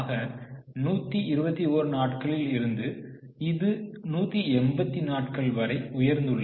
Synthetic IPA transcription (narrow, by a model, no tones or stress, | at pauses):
ɣɐ | nuːt̪ːiɪɾɯbɐt̪ːioːɾɯnaːʈkɐɭɪlɪɾɯnd̪ɯ | ɪðɯnuːt̪ːiɛmbɐt̪ːinaːʈkɐɭʋɐɾɐɪʊjɐɾnd̪ɯɭːɐ